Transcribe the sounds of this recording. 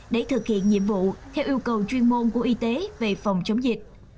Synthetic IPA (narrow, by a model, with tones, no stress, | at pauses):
ɗe˧˩t̪ʰɨ˨˩k̚hḭ˧˨ənɲḭ˧˨mvṵ˧˨t̪ʰɛ˧wʔi˧əwkə˨˩wt͡ɕwi˧ənmo˧nku˧˩əʔi˧t̪e˨˦ve˨˩fa˨˩wŋ͡mt͡ɕə˨˦wŋ͡mzï˨˩k̚